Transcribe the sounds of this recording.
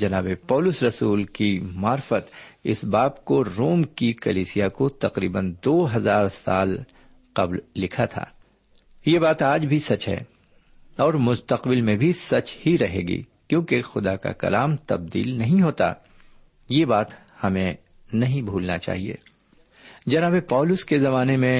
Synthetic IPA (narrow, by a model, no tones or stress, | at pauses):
d͡ʒɐnaːbepɔːlʊsɾɐsuːlkimaːɾfət̪ɪ̰sbaːpkoɾoːmkikɐliːsijakot̪ɐqɾḭːbənd̪oːɦɐzaːɾsa̰ːl | qɐblːɪkʰat̪ʰa̰ː | jebaːt̪aːd͡ʒbʱisɐt͡ʃɦɛ̰ː | ɔːɾmʊst̪əqbɪlmẽbʱisɐt͡ʃhiɾɐɦḛːɡḭː | kjõːkexʊd̪aka̰kɐ̰laːmt̪ɐb̚d̪ḭːlnɐɦĩɦoːt̪a̰ | jebaːt̪ | hɐmẽ | nɐɦĩbʱuːlnat͡ʃa̰ːɦiḛː | d͡ʒɐnaːbepɔːlʊskezɐmaːnemẽ